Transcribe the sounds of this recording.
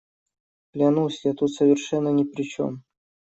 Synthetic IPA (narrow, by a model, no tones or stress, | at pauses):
plʲanusʲjat̪ut̪səvʲɪrʂɛnːənʲɪpɾʲɪt͡ɕo̞̰m